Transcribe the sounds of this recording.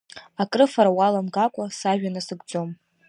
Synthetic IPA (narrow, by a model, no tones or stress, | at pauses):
akʼrɨfaɾawalamɡakʷʼasaʒᶣanɨsɨɡʷd͡zo̞m